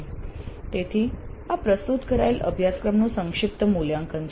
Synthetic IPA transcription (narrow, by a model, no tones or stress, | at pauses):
t̪et̪ʰiːapɾəst̪ut̪kəɾajlʔə̰bʱjat͡skɾəmɳũsəŋkʂip̚t̪əmuljaŋkʰənt͡ɕ